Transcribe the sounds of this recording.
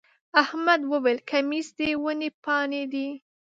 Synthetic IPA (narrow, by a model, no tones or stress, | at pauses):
ahmad̪wəwelkʰamisd̪ewənepɑned̪i